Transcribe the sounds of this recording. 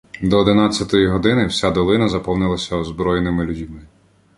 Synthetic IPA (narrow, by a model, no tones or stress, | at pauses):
d̪ɔːd̪ɪnat͡sʲːɐt̪ɔjiɦɔd̪ɪnɪwsʲad̪ɔlˠɪnɐzɐpɔwnɪlˠɐsʲɐɔzbɾɔjenɪmɪlʲʊdʲmɪ